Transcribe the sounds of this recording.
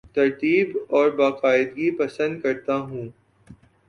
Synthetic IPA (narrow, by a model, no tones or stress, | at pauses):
t̪ɐɾt̪iːbɔːɾbaːqaːɪd̪̚ɡipɐsə̃nd̪kɐɾt̪aɦũː